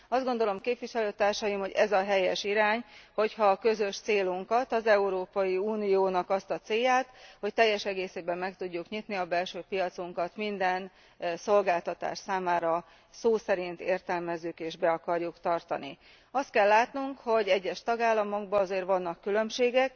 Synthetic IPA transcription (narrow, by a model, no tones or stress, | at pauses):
ɒzd̪ɡo̞nd̪o̞lo̞mkeːpʋiʃɛløːt̪aːrʃɒjimho̞ɟɛzɒɦɛjɛʃiɾaːɲho̞chɒːkø̞zø̞ʃt̪seːluŋkɒt̪ɒzɛuɾoːpɒjiuːnijoːnɒkɒst̪ɒt̪seːjaːt̪ho̞c̚t̪ɛjːɛʃɛɡeːseːbɛmːɛkt̪uɟːukɲit̪niɒbɛlʃøːpijɒt̪suŋkɒt̪mind̪ɛn | so̞lɡaːlt̪ɒt̪a̰ːʃsaːmaːɾɒ | soːsɛɾint̪eːrt̪ɛlmɛzːykeːʒbɛɒkɒrjukt̪ɒrt̪ɒ̰nḭ | ɒst̪̚kɛlːaːt̪nuŋkho̞ɟɛɟːɛʃt̪ɒɡaːlːɒmo̞ɡbɒɒzeːrʋɒnːɒkːylø̞mʃeːɡɛk